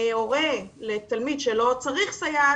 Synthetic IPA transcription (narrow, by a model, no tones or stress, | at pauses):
eoʁelet̪almid̪ʃelo̞t͡saʁiχsaja